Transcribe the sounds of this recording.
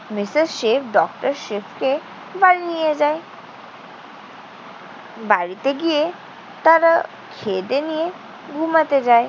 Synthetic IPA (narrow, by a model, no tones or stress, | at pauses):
mɪsizʃepʰɖɔkʈəɾʃefʰke | baɽinijed͡ʒae | baɭit̪eɡie | t̪aɾa | kʰed̪enije | ɡʱumət̪ed͡ʒae